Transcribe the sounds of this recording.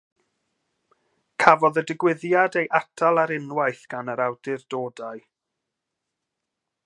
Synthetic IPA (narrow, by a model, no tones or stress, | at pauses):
kʰavɔðədɪɡwɪðjadejʔatʰalˠaɾɪnwajθɡ̥anəɾawdɪrdoːdaɨ